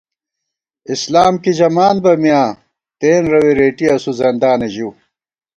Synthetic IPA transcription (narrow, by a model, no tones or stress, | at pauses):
islaːmkid͡ʑɐmaːnbɐmjãː | t̪eːnɾɐwiɾeːʈiɐsuzɐnd̪aːneʑu